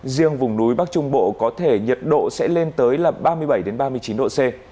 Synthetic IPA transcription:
zi˧əŋvʊ˨˩ŋ͡mnu˨˦jɓaː˦˥k̚t͡ɕʊ˧ŋ͡mɓo̰˧˨kɔ˨˦t̪ʰe˧˩ɲə˨˩t̚ɗo̰˧˨sɛ̰˧˥le˧nt̪əː˨˦jlaː˨˩m̚ɓaː˧mɨ˧əjɓə˧˩jɗe˨˦nɓaː˧mɨ˧əjt͡ɕi˨˦nɗo̰˧˨se˧

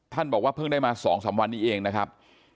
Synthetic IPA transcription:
t̪ʰa˥˩nbɔː˨˩k̚waː˥˩pʰɤ˥˩ŋdaː˥˩jmaː˧sɔː˩˦ŋsaː˩˦mwa˧nːiː˦˥˩ʔeː˧ŋna˦˥kʰɾa˦˥p̚

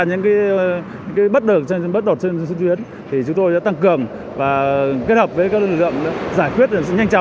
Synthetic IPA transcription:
ɲɨ̰˧˥ŋkaː˨˦j | ɲɨ̰˧˥ŋkaː˨˦jɓə˦˥t̚ɗə˨˩t͡ɕɓə˦˥t̚ɗo˨˩t̚t͡ɕe˧n˧su˨˧˦t̪wi˨˦ən | t̪ʰi˨˩t͡ɕʊ˨˦ŋ͡mt̪o˧jɗa̰ː˧˦˥t̪a˧ŋkɨ˨˩əŋ | vaː˨˩ke˦˥t̚hə˨˩p̚vəː˨˦kaː˦˥klɨ˧˩lklɨ̰˧˨əŋ˨˦zaː˧˩jkwi˦˥ət̚ɲa˧jŋ̟t͡ɕɔ˨˦

